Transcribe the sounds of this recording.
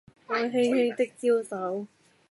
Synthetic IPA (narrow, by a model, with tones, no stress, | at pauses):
aː˧ŋɦe˧jhe˧jt̪ɪ˥k̚t͡si˥wsɐ˨˥w